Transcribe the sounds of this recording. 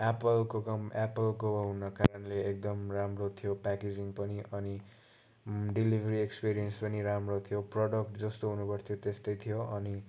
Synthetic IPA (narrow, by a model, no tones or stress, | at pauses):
apʌlkokʌmapʌlkoɦunʌkaɾʌnleːk̚d̪ʌmramrot̪ʰijopaked͡ziŋpʌniʔʌni | ɖilibʱʌɾiekspiɾijʌnspʌniɾamrot̪ʰijoprʌɽʌk̚ʈd͡zʌst̪oɦunupʌrt̪ʰijot̪est̪ʌjt̪ʰijoʔʌni